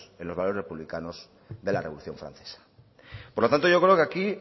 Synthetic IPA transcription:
senloβalorepuβlikanos | ðe̞lareoluθjo̞ɱfɾa̰nθe̥sḁ | poɾlot̪ant̪o̞ʝo̞kɾe̞okeaki

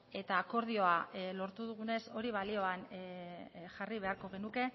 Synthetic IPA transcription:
e̞t̪aːko̞ɾðio̞alo̞ɾt̪uðuɣ̞une̞so̞ɾiβ̞alio̞an | ʝariβ̞e̞aɾko̞ɣ̞e̞nuke̞

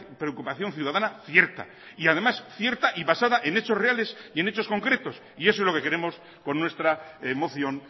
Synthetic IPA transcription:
pɾe̞okupaθjo̞nθjuðaðanaθje̞ɾt̪a̰ | iaðe̞masθje̞ɾt̪aʔiβasaðaʔe̞ne̞t͡ʃo̞reale̞sie̞ne̞t͡ʃo̞sko̞ŋkɾe̞t̪o̞s | iesoezlo̞ke̞ke̞ɾe̞mo̞s | ko̞nːwe̞st̪ɾamo̞θjo̞n

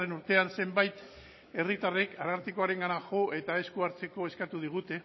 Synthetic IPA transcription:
enuɾt̪e̞anse̞mbajt̪ | e̞rit̪are̞kaɾaɾt̪iko̞aɾe̞ŋɡanaʝo̞ʔe̞t̪ae̞skuaɾt͡se̞ko̞e̞skat̪uð̞iɣ̞ut̪e̞

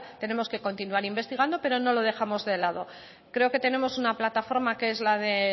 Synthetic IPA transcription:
t̪e̞ne̞mo̞ske̞ko̞nt̪inuaɾimbe̞st̪iɣ̞and̪o̞pe̞ɾo̞no̞lo̞ð̞e̞xamo̞zðe̞lað̞o̞ | kɾe̞o̞ke̞t̪e̞ne̞mo̞sunaplat̪afo̞ɾmakeezlaðe

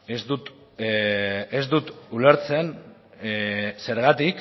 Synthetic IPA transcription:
ezd̪ut̪ | ezd̪ut̪ule̞ɾt͡se̞n | se̞ɾɣat̪ik

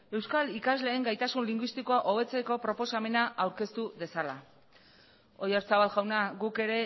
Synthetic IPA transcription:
e̞wskalikazle̞ːŋɡajt̪asunliŋɡwist̪ikoaʔo̞β̞e̞t͡se̞ko̞pɾo̞po̞same̞naʔawɾke̞st̪uðe̞sala | o̞jaɾt͡saβalɣawnaɡuke̞ɾe̞

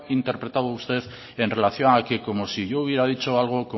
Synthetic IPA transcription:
int̪eɾpɾe̞t̪aðoust̪e̞ð | e̞nre̞laθjoŋakeko̞mo̞siʝouβ̞jeɾað̞it͡ʃoalɣ̞o̞ko

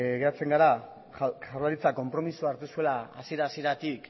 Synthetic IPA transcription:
ɣe̞ɾat͡se̞ŋɡaɾa | saɾlaɾit͡sako̞mpɾo̞misuaɾt̪usue̞laa̰sie̞ɾaːsie̞ɾat̪ik

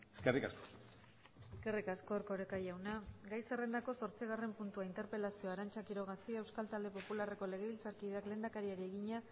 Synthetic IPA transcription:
eskerikasko | eske̞rikasko̞ɾko̞ɾekajawnaɡajsere̞nd̪ako̞so̞ɾt͡siɣare̞mpunt̪uaint̪e̞ɾpe̞lasio̞aɾant͡ʃakiɾo̞ɣasiewskalt̪ald̪e̞po̞pulare̞ko̞le̞ɣ̞e̞βilt͡saɾkiðe̞akle̞nd̪akaɾiaɾie̞ɣiɲa

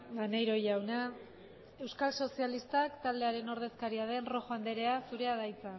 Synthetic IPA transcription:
ɡanejɾo̞jawna | e̞wskalso̞sialist̪akt̪ald̪e̞aɾe̞no̞ɾðe̞skaɾiað̞e̞nro̞xoand̪e̞ɾe̞asuɾe̞aðajt͡sa

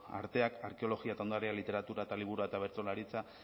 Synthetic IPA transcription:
a̰ɾt̪e̞akaɾke̞o̞lo̞ɣiat̪aond̪aɾealit̪e̞ɾat̪uɾaet̪aliβuɾuaet̪aβe̞ɾt͡so̞laɾit͡sa

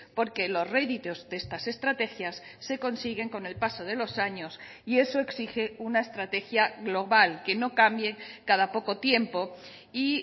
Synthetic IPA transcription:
po̞ɾke̞lo̞zreðit̪o̞zðest̪ase̞st̪ɾat̪e̞xjasːe̞ko̞nsiɣe̞ŋko̞ne̞lpaso̞ð̞e̞lo̞saɲos | ie̞so̞e̞ksixe̞unaest̪ɾat̪e̞xjaɣlo̞βalke̞no̞kambje̞kaðapo̞ko̞t̪je̞mpo̞ | i

